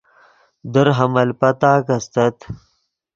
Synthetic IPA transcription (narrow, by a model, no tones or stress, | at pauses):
d̪əɾɦɐmɐlpɐt̪aːkɐst̪ɐt̪